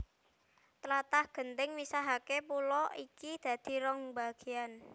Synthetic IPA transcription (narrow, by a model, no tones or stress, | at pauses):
t̪əlat̪ahɡ̥ə̤nt̪ɪŋmisaɦakepulɔikid̪̥ä̤d̪̥i̤ɾɔŋba̤ɡ̥e̤an